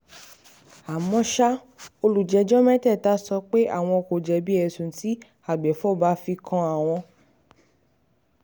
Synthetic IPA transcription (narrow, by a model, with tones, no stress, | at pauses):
a˨mɔ̃˧˦ʃa˦ | o˧lu˨d͡ʒɛ˨˧d͡ʒɔ˦mɛ̃˦tɛ˦˨ta˨˦sɔ˧k͡pe˦ʔa̰˦˨w̃ɔ̃˧o˧ko˨d͡ʒɛ˨˦bi˦ɛ˧˨sũ˨˦ti˦ | a˨ɡ͡bɛ˨˦fɔ˦˨ba˨˦fi˧kʰã˧a˨w̃ɔ̃˧